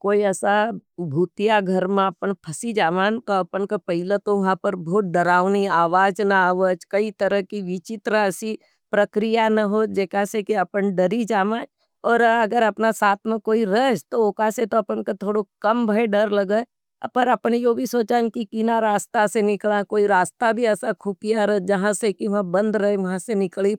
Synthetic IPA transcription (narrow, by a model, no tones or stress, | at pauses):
koːiɛːsabʱuːt̪ijaɡʱɐɾmẽɐpənpʰɐsid͡ʒaːʋaːnk̪oɐpənkapɐɦɪlət̪oʋɐɦãpɐɾbʱoːt̪̚ɖ̪ɐɾaːʋniaːʋaːd͡ʒnaaːʋəd͡ʒkɐit̪ɐɾəɦkiʋɪt͡ʃɪt̪ɾəɐsi | pɾɐkɾijanɐɦod͡ʒeːkasekiɐpənɖɐɾid͡ʒaːmaː | ɔːɾɐɡəɾɐpnasaːt̪ʰmẽkoːiɾəd͡ʒt̪ookaset̪oɐpənkot̪ʰoːɽokɐmbʱɐeɖɐɾlɐɡa | pɐɾɐpnejobʱisoːt͡ʃakikiːnaɾaːst̪asenɪklakoːiɾaːst̪abʱiɛːsakʰʊpijaɾəd͡ʒɐɦãsekiʋãbɐ̃nd̪ɾɐɦeʋɐɦãsenɪkli